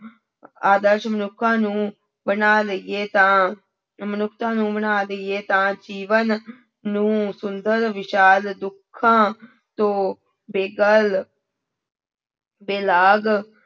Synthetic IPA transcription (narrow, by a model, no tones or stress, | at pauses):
aːd̪əɾʃmənʊkʰːãːnũː | bənaːləieːt̪ãː | mənʊkʰt̪ãːnũːbənaːləieːt̪ãːd͡ʒiːʋənː | ũːsʊnd̪əɾʋɪʃaːld̪ʊkʰːãː | t̪õː | beːɡəl | beːlaːɡ